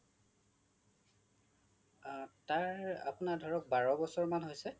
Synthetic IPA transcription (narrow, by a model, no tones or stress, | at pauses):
taɹa̰punadʱɔɹɔk̚baɹɔbɔsɔɹmanɦojsɛ